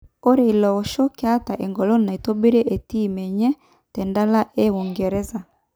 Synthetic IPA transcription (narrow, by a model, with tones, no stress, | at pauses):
o˦ɾe˨i˨lɔ˨o˨ʃɔ˦ke˦a˦ta˨ʔɛ˨ŋɡɔ˨lɔ˦na˨i˨to˦bi˦ɾe˦ʔe˨ti˦˨mɛ˨ɲɛ˦ | tɛ˨nda˦la˦ʔe˦u˨ŋɡɛ˨ɾɛ˦za˨